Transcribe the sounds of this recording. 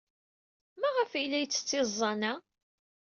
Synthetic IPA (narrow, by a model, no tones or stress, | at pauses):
mæʁəfijlːæjət͡sːə̥t͡sːɪzˤːɑnæ